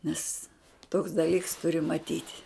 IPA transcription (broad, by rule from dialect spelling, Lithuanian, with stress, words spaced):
nʲɛs toːks dɐˈlʲiːks tʊˈrʲɪ mɐˈtʲiːtʲ